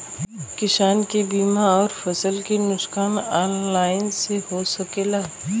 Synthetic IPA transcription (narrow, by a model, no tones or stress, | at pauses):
kɪʃaːnkebiːmaɔːɾfɐsəlkenʊʃkaːnaːnlaːɪnsehosɐkeːlaː